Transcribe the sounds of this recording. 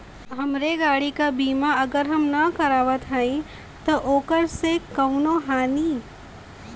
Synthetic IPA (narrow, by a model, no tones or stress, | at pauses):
ɦɐmɾeɡaːɽikabiːmaɐɡəɾɦɐmnɐkɐɾaːʋət̪ɦaːĩ | t̪oʔoːkəɾsekɐʊnõɦaːniː